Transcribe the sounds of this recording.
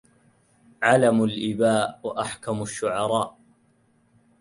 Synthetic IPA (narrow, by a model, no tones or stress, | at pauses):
ʕalamalʔɪbaːʔwaʔaħkamaʃːʊʕɑɾˤɑːʔ